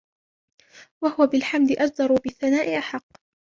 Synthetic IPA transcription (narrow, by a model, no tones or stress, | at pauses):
wahʊwabɪlħamd̪ɪʔad͡ʒd̪ɑɾˤubɪθːanaːʔɪʔaħɑqː